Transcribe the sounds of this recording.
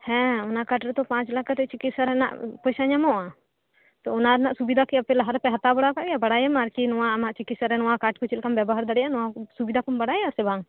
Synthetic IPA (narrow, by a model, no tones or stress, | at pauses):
hɛ̃ɔnakaʈɾɛt̪ɔpãt͡ʃlakat̪ɛt͡ʃikit̪saɾɛna̰ʔpɔjsaɲamɔʔa | t̪ɔɔnaɾɛnaʔsubid̪ʱakɛapɛlaɦaɾpɛɦat̪abɔɽakaʔɡɛjabaɽajamaɾkinɔwaːmaʔt͡ʃikit̪səɾɛnɔwakaʈ̚kɔt͡ʃilkambɛbɔɦəɾd̪əɽɛjaʔnɔwasubid̪ʱakɔmbaɽajasɛbaŋ